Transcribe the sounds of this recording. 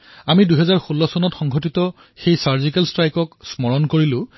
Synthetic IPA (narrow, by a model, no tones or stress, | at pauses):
amiduɦɛzaɹxulːɔsɔnɔtxɔŋɡʱotitɔ | xejsaɹzikɛlstɹajkɔksmɔɹɔnkoɹilʊ̃